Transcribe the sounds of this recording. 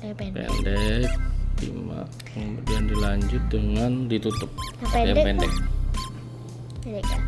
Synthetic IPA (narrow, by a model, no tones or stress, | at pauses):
pɛ̰ndɛk̚dḭma̰ | kəmudiandilaɲd͡ʒʊt̪̚dəŋandit̪ut̪ʊp̚apɛndɛk̚